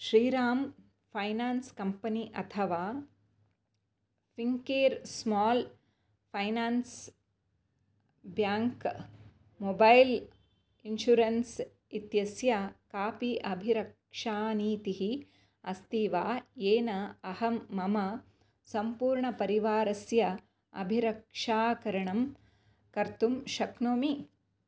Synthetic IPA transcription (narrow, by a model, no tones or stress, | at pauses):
ʃɾiːɾaːm | pʰɐjnaːnskɐmpɐniʔɐt̪ʰɐʋaː | fiŋkeːɾsmɔːl | pʰɐjnaːns | bjaːŋk | moːbɐjl | inʃuɾɐns | it̪jɐsjɐkaːpiʔɐbʱiɾɐk | ʂaːniːt̪iɦi | ɐst̪iːʋaːjeːnɐɐhɐmːɐmɐ | sɐmpuːɾɳɐpɐɾiʋaːɾɐsjɐ | ɐ̰bʱiɾɐkʂaːkɐɾɐɳɐm | kɐɾt̪umʃɐknoːmi